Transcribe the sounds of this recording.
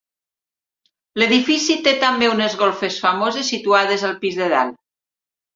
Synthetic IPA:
leðifisit̪et̪ambeunezɣolfesfamozesːit̪uað̞ezalˠpizðeða̰l

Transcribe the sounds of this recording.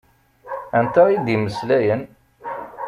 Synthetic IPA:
ænt̪æid̪iməslæjən

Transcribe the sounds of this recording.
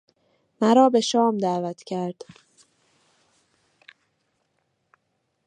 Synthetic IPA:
mæɾɒːbe̞ʃɒːmd̪æːvæt̪ʰcʰæɾd̪̥

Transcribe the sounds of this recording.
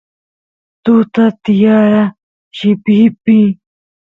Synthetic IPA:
t̪ut̪at̪ijaːɾa | ɕipipi

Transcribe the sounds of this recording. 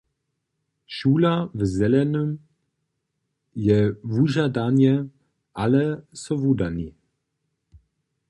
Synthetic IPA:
ʃuːlavzɛlɛnym | jɛvuʒadanɛ | ʔalɛsɔvudani

